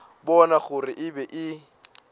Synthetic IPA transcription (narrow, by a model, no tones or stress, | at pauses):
bɔnaɣʊrɪʔɪbɛʔɪ